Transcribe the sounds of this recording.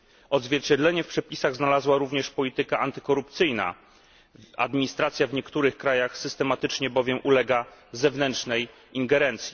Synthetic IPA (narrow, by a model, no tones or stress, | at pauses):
ɔd̪zvʲjɛɾt͡ɕɛd̪lɛɲɛfpʂɛpʲisaɣznalazwaɾuvɲɛʂpɔlʲit̪ɘkaʔant̪ɘ̥kɔɾupt̪sɘjna̰ | a̰d̪mʲiɲist̪ɾat̪sʲjavɲɛkt̪uɾɘxkɾajaxsɘst̪ɛmat̪ɘt͡ʂɲɛbɔvʲjɛmʔulɛɡazɛvnɛntʂnɛj | iŋɡɛɾɛnt̪sʲji